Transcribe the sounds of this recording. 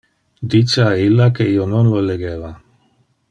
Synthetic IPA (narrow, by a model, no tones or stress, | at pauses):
d̪it͡ʃeailːakeiononloleɡeːva